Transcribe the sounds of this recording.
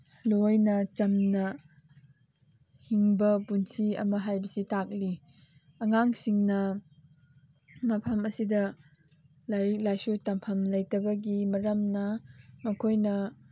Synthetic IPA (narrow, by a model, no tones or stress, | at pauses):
lojnɐt͡ʃɐmnɐ | hiŋbɐpunsʰiɐ̰mɐɦajbɐsitak̚li | ɐŋaŋsiŋnɐ | mɐpʰɐmɐsidɐ | lɐjlajsutɐmpʰɐmlɐjtɐbɐɡimɐɾɐmnɐmɐkʰojnɐ